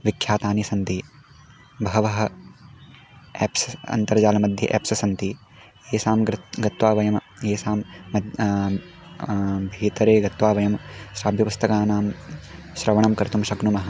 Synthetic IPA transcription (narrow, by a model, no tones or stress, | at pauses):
ʋikʰjaːt̪aːnisɐnt̪i | bɐɦɐʋɐɦɐ̆ | eːpsɐɐ̰nt̪ɐɾd͡ʒaːlɐmɐd̪ʱjɐ̰ʔḛːpsɐsɐnt̪i | eːsaːmɡɐt̪ʋaːʋɐjɐmɐeːsaːmːɐd̪ | bʱeːt̪ɐɾeːɡɐt̪ʋaːʋɐjɐmʃɾaːbʱjɐpust̪ʰɐkaːnaːm | ʃɾɐʋɐɳɐmkɐɾt̪umʃɐɡnumɐɦɐ̆